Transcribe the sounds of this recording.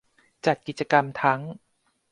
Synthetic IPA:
t͡ɕa˨˩t̪̚ki˨˩t̪̚t͡ɕa˧ka˧mt̪ʰa˦˥ŋ

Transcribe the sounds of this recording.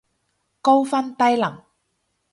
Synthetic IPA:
ko˥wfɐ˥nt̪ɐ˥jlɐ˨˩ŋ

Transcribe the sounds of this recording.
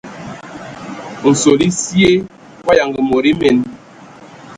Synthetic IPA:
n̩˨so˨li˦sje˦ | kwa˦ja˨ŋɡi˨mo˨ɾi˦mɛ˨n

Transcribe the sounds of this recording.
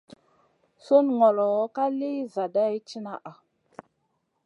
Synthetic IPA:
so˦nŋɔ˨lɔ˨wka˦le˦za˨da˦ji˦t͡ʃi˦na˦ʔa˨

